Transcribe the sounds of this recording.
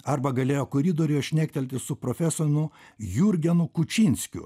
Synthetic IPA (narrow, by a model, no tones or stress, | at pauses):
ɐɾbɐɡɐlʲeːjoːkʊɾʲid̪oːɾʲɪjɛʃʲnʲæːk̚ʲt̪ʲɛlʲt̪ʲɪsʊpɾoːfʲæsoɾʲnʊ | juɾʲɡʲɛnʊkʊt͡ʃʲinʲsʲkʲʊ̰